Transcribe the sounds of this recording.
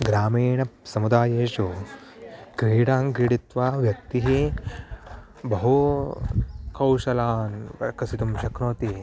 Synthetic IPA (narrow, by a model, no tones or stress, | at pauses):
ɡɾaːmiːɳɐsɐmud̪aːjeːʃu | kɾiːɽaːŋɡɾiɽit̪ʋaːʋjɐk̚t̪iɦi | bɐɦu | kɐwʃɐlaːnɐ̰kɐsit̪umʃɐkɾoːt̪i